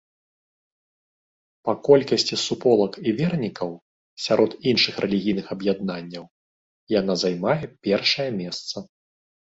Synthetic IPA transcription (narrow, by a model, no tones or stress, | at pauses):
pɐkɔlʲkɐsʲt͡sʲisupɔlˠɐkivʲɛrnʲikɐw | sʲaɾʔɔd̪inʂɨxrʔɛlʲiɣʲijnɨxɐbjad̪nanʲːɐw | jan̪azajmajɛpʲɛrʂɐjɐmʲɛst̪sɐ